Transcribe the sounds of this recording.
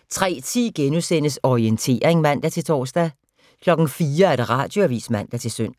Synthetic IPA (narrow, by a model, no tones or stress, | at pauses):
t͡sʰʁɛ̰ːt͡sʰiɡ̥enusen̰əsɒient͡sʰe̝̰ːɐʁeŋmæn̰d̥æt͡sʰe̝lt͡sʰɒ̰ːsd̥æ | kʰlɒ̽ɡ̥n̩fiːɐæɐɾ̥äʁɑ̈ːd̥jo̝æʋḭːsmæn̰d̥æt͡sʰe̝lsøn̰̥